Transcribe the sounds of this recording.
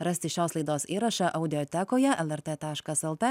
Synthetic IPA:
ɾɐsʲt̪ʲɪʃʲæˑʊslˠɐɪd̪oːsiːɾɐʃɐʔɐʊd̪ʲɪjɔt̪ʲɛkoːjɛʔɛlˠɛɾt̪ɛt̪ɑːʃkɐsɛlˠt̪ɛ

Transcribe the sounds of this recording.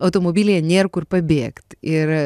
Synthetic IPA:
ɐʊt̪oːmoːbʲiːlʲeːɛnʲeːrkʊrpɐbʲeːkt̪ɪɾ

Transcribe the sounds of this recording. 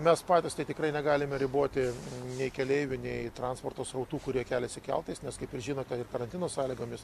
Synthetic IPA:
mʲɛspɑːt̪ʲɪst̪ɐɪt̪ʲɪkɾɐɪnʲɛɡɑːlʲɪmʲɛɾʲɪboɔt̪ʲɪnʲɛɪkʲɛlʲɛɪʋʲʊnʲɛɪt̪ɾɑnspoːrt̪oːsɾrɐʊt̪uːkʊɾʲiɛkʲæːlʲɛsʲɪkʲɛ̰lˠt̪ɐɪsnʲɛskɐɪpɪrʒʲiːnoːt̪ʲɛɪrkɐɾɐnʲt̪ʲɪnoːsɑːlʲiːɡoːmʲɪs

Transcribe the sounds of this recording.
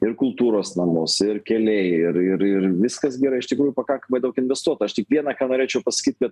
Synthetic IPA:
ɪrkʊlˠt̪uːɾoːsnɐmʊsɪrkʲɛlʲɛɪɪɾɪɾɪrʋʲɪskɐsɡʲɛɾɐɪɪʃt̪ʲɪkɾuːjʊpɐkɐŋkɐmɐɪd̪ɐʊkɪnʲʋʲɛst̪uɔt̪ɐɐʃt̪ʲɪkʋʲiɛnɐkɑːnoːɾʲeːt͡ʃʲɛʊpɐsɐ̥kʲiːt̪̚ʲkɐt̪

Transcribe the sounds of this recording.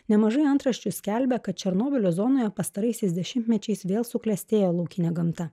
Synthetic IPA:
nʲɛmɐʒɐɪɐnt̪ɾɐʃʲt͡ʃʲʊsʲkʲɛlʲbʲɛkɐt̪̚t͡ʃʲɛɾnoːbʲɪlʲozɔːnoːjɛpɐst̪ɐɾɐɪsʲɛɪsd̪ʲɛʃʲɪnʲt̪ʲmʲɛt͡ʃʲɛɪsʋʲeːlˠsʊklʲɛsʲt̪ʲeːjoːlˠɒʊkʲɪnʲɛɡɐmt̪ɐ

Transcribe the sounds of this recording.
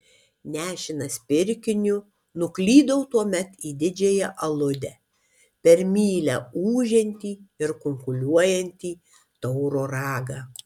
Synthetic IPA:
nʲæːʃʲɪnɐspʲɪɾʲkʲɪnʲʊ | nʊklʲiːd̪ɐʊt̪uɔmʲɛt̪iːd̪ʲɪd͡ʒʲejɛʔɐlˠʊd̪ʲɛ | pʲɛɾʲmʲiːlʲɛuːʒʲɛnʲt̪ʲiːɪɾkʊŋkʊlʲuɔjɛnʲt̪ʲiː | t̪ɔʊɾoːɾɑːɡɑː

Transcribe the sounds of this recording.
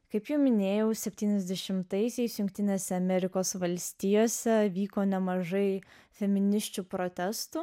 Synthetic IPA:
kɐɪpjɛʊmʲɪnʲeːjɛʊsʲɛpʲt̪ʲiːnʲɛzʲd̪ʲɛʃʲɪmt̪ɐɪsʲɛɪsjʊŋk̚ʲt̪ʲɪnʲeːsʲɛɐmʲɛɾʲɪkoːsʋɐlʲsʲt̪ʲɪjoːsʲɛʋʲiːkoːnʲɛmɐʒɐɪ | fʲɛmʲɪnʲɪʃʲt͡ʃʲupɾoːt̪ʲɛst̪u

